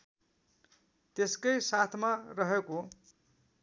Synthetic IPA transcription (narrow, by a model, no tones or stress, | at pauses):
t̪eskʌjsat̪ʰmarʌɦeko